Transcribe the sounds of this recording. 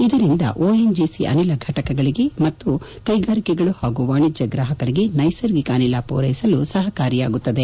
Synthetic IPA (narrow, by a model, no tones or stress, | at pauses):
id̪ɐɾind̪ɐ̰ʔoːend͡ʒiːsiʔɐ̰nilɐɡʱɐʈɐkɐɡɐɭiɡe̞mɐt̪ːu | kɐjɡaːɾikɛɡɐɭuhaːɡuʋaːɳid͡ʒːɐɡɾaːɦɐkɐɾiɡe̞nɐjsɐɾɡikaːnilapɔːɾɐjisɐlusɐɦɐkaːɾijaːɡut̪ːɐd̪e